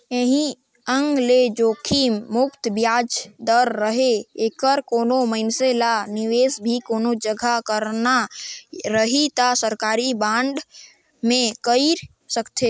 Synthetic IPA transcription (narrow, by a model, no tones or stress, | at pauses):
eɦĩ | əŋɡled͡ʒoːkʰimːʊpt̪bjad͡ʒd̪əɾːəɦeekəɾkoːnoməɪnselaniʋeːsbʱikoːnod͡ʒəɡʱakəɾna | ɾəɦit̪asəɾkaːɾibãːɳɖ | mẽkəiɾ | səkt̪ʰe